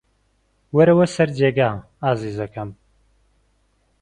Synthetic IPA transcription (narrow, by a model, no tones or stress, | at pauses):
wɐɾɐwɐsɐɾd͡ʒeːɡaː | aːziːzɐkɐm